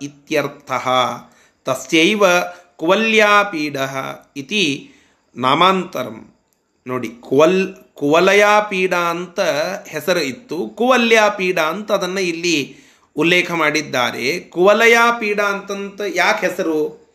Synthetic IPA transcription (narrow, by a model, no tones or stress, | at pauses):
it̪jɐɾt̪ʰɐɦɐ | t̪ɐsjɐjʋɐkuʋɐljaːpiːɽɐɦɐ̰it̪i | naːmaːnt̪ɐɾɐ̰m | noːɽikuʋɐl | kuʋɐlɐjaːpiːɽaɐnt̪ɐhɛsɐɾuit̪ːukuʋɐljaːpiːɽaːɐnt̪ɐːd̪ɐnːɐilːi | ulːeːkʰɐmaːɽid̪ːaːɾḛkuʋɐlɐjaːpiːɽaːɐnt̪ɐnt̪ɐjaːkɦɛsɐɾu